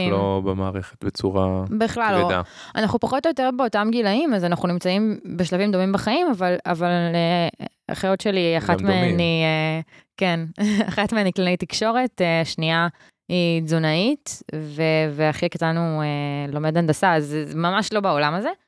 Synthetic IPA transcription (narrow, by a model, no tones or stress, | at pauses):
lobemaːʁeχe̥t̪bet͡suʁabiχlaloa̰ | anaχupaχo̞tojoteʁbeo̞tamɡilaimazanaχunimt͡saimbeʃ̬lavimd̪o̞mimbaχaimavala̰vale | a̰χajo̞tʃeliaχatmeaniekenaχatmeaniklalejtikʃo̞ʁe̞teʃnia | izonaitveveaχikat̪anuelo̞med̪andasazmamaʃlo̞bao̞lamaze